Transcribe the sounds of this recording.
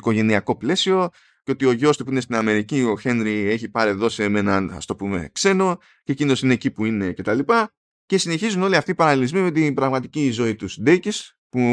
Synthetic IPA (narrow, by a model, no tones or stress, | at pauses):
ko̞ʝe̞niɐko̞ple̞sio̞ | ceo̞t̪io̞ʝo̞st̪upuine̞st̪inɐme̞ɾicio̞çe̞nɾie̞çipɐɾieðo̞semenɐnɐ̰st̪o̞pume̞̰kse̞no̞ | cecino̞sineːcipuine̞ce̞t̪ɐlipɐ | ce̞sine̞çizuno̞liɐft̪ipɐɾɐlilizmime̞t̪̬ibɾɐɣmɐt̪icizo̞it̪usd̪ecis | pu